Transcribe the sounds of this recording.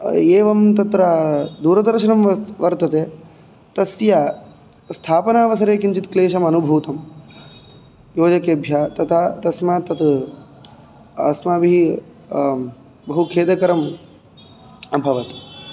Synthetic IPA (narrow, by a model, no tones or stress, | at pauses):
eːʋɐmt̪ɐt̪ɾad̪uːɾɐd̪ɐɾʃɐnɐmʋɐɾt̪ɐt̪eː | t̪ɐsjaː | st̪ʰaːpɐnaːʋɐsɐɾeːkint͡ʃit̪kleːʃɐmɐnubʱuːt̪ɐm | joːd͡ʒɐkeːbʱjaːt̪ɐt̪ʰaːt̪ɐsmaːt̪ɐt̪ | ɐ̰smaːbiɦi | bɐɦukʰeːd̪ɐkɐɾɐm | ɐbʱɐʋɐt̪